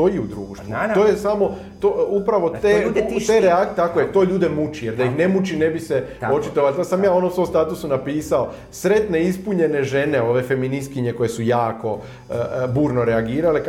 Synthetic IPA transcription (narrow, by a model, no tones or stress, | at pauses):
oiud̪ɾuːʃt̪ʋut̪o̞ːjesamo̞ | t̪oupɾaʋo̞t̪et̪eɾeak̪t̪akojet̪o̞ːʎuːd̪e̞mut͡ʃijeɾd̪aixnemut͡ʃinebiseo̞t͡ʃit̪oʋalʲsad̪samjaːo̞nomsomst̪aːt̪usunapiːsao̞ | sɾe̞t̪ne̞ispuɲe̞ne̞ʒe̞ne̞o̞ʋe̞fe̞minist̪̚kiɲe̞ko̞je̞sujaːko̞ | buːɾno̞ɾe̞aɡiːɾale